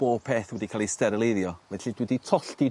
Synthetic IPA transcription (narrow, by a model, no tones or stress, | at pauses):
b̥oːpʰeːθwɛdikʰaːlˠistɛɾəlˠeðjɔvɛɬid̥widitʰɔɬti